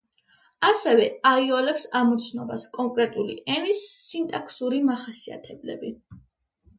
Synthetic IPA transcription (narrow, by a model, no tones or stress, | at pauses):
asɛvɛaiɔlɛpsamut̪sʰnɔbaskʼɔŋkʼɾɛt̪ʼulḭʔɛɾisːint̪ʼakʰsuɾimaχasia̰t̪ʰɛblɛ̰bi